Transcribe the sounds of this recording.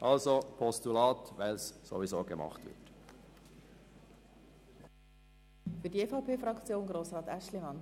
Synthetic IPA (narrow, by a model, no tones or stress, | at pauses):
ʔɑlzopʰɔstulɑːtvaɪlsso̰vizoːɡəmɑ̰χt̪v̥ʋɪ̰t | fydiefɑʊpʰeːfɾɑkt͡sjoːnɡɾoːsʁɑːt̪æʃlimɑn